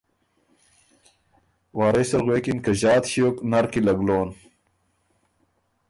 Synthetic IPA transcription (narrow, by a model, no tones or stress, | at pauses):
waːɾesɐɾɣweːkinkɐʑaːt̪ɕioknɐɾkilɐɡloːn